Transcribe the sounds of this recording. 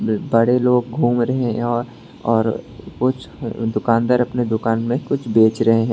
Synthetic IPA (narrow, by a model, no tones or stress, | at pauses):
bɐɽeloːɡ̚ɡʱuːmɾɐɦeɦɛ̃ɔːɾ | ɔːɾkʊt͡ʃʰd̪ʊkaːnd̪əɾɐpned̪ʊkaːnmẽkʊt͡ʃʰbeːt͡ʃɾɐɦeɦɛ̃ː